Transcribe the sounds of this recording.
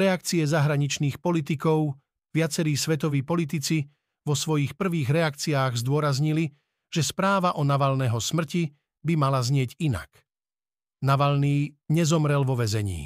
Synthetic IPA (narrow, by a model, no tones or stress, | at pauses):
ɾɛak̚t͡siɛzaɦɾaɲit͡ʃniːxpɔlit̪ikɔʊ | ʋɪat͡sɛɾiːsʋɛt̪ɔʋiːpɔlit̪it͡si | ʋɔsʋɔjixpr̩ʋiːɣɾɛak̚t͡siaːɣzd̪ʊɔɾazɲili | ʒ̥ɛspɾaːʋaʔɔnaʋaʎnɛːɦɔsmr̩ci | bimalazɲɪɛɟina̰k | naʋaʎniːɲɛzɔmɾɛlʋɔʋɛzɛɲḭː